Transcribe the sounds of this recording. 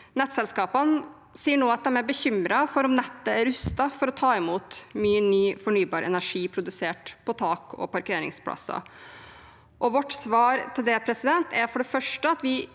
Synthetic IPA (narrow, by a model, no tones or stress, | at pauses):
nɛt̪ːsɛlskɑːpən | siːəɳoːɑt̪̚d̪ɛmɛbəçʏmɾɑfɔɾɔmnɛt̪ːəæɾʉst̪ɑfɔɾɔt̪ʰɑːɪmuːt̪myːənyːfɔɳyːbɑːɾʔɛ̰næʂiːpʰɾʊd̪ʉseːʈpʰɔt̪ʰɑːkɔ̰pɑɾkeːɾɪ̰ŋspʰlɑ̰sɑ̰ | ʔɔʋɔʈːsʋɑːɾt̪ʰɪld̪ɛpʰɾɛsɪd̪ɛnt̪ʰæɾfɔɖɛfœʂʈəɑt̪ʋɪ